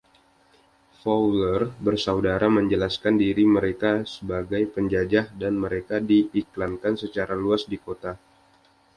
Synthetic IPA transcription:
fawlərbərsaudaɾaməɲd͡ʒəlaskandiɾiməɾekasəbaɡajpəɲd͡ʒad͡ʒahdanməɾekadiːklankansət͡ʃaɾaluasdikot̪a

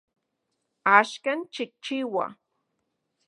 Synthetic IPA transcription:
aʃkant͡ʃɪk̚t͡ʃɪwa̰

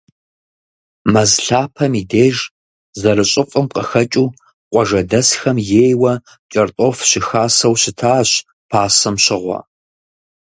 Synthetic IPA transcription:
mɐzɬaːpʰɐmideːʒ | zɐɾɨɕʼɪfʼɨmqɐxɐt͡ʃʼuː | qʷʼɔʒɐdɐsxɐmjeːjwɐ | t͡ʃʼɐrtʼoːfɕɪxaːsɐwɕɪtʰaːɕ | pʰaːsɐmɕɪʁʷɔ̰

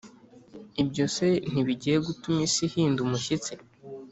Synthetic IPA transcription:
ibɟo̞se̞n̥iβiɟijeɡutumisihiːndumuʃit͡se

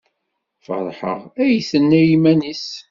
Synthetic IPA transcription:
fə̰ɾˤħə̰ʁæjθənːæjimænis

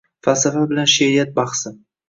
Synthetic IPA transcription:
fasafabɪlanʃeɾijat̪̚bɑχsɪm

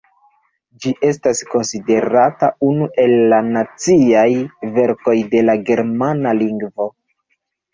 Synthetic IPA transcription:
d͡ʒiʔe̞stasko̞nside̞ɾataunuʔe̞lːanat͡siajve̞ɾko̞jde̞laɡe̞ɾmanaliŋɡvo

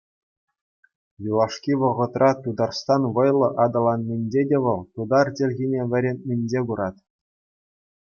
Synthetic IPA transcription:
jilˠɑʂkʲiʋɤ̆ʁɤ̆t̪rʔɑt̪ud̪ɑrst̪ɑnʋɤ̆jlˠɤ̆ʔɑd̪ɤ̆lˠɑnmʲɘ̆nʲd͡ʑedʲeʋɤ̆lˠt̪ud̪ɑrtʲĕlʲɣʲinʲeʋʲɘ̆ɾʲenʲmʲɘ̆nʲd͡ʑeɡuɾɑt̪ʲ

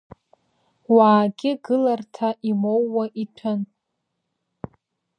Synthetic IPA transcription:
waːɡʲɪɡɨlartʰaʔimowːaʔitʰɨn

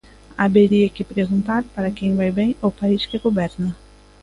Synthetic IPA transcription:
abeɾiɐkɪpɾeɡũnt̪aɾpaɾɐkẽj̃vajbẽj̃opaiskɪɡobɛɾnɐ

